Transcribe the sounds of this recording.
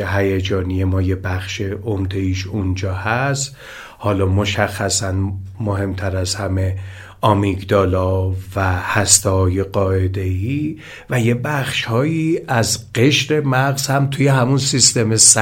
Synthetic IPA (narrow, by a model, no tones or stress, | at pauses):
eɦæjed͡ʒɒːnije̞mɒːje̞bæxʃeʔomd̪e̞iːʃund͡ʒɒːhæst̪ | hɒːlɒːmo̞ʃæxːæsænmoɦe̞mt̪ʰæɾæzhæme̞ | ʔɒːmiɡd̪ɒːlɒːvæhæst̪ehɒːje̞ɢɒːʔe̞d̪e̞jiː | væje̞bæxʃhɒːjiːæzɢe̞ʃɾe̞mæɣzhæmt̪ʰuje̞ɦæmunsist̪e̞mes